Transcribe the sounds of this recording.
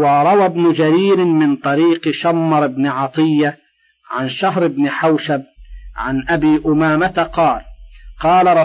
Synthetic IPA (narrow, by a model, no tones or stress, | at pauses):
wɑɾˤɑwabnʊd͡ʒaɾiːɾɪmɪnt̪ˤɑɾiːqʃamːɑɾˤɪbnɪʕɑt̪ˤɨjːa | ʕanʃaɦɾɪbnɪħawʃab̚ʕanʔabiːʔʊmaːmat̪aqɑːlqɑːlaɾˤɑ